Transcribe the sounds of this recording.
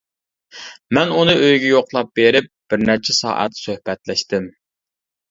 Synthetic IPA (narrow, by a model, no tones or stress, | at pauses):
mɛnunɨʔøjɡʲɛjoqlˠɑp̚beɾɪp̚b̥ɪɾnæɾt͡ʃʰɛsɑ̰ːʔɛ̰t̪søhpɛt̪lɛʃt̪ɪm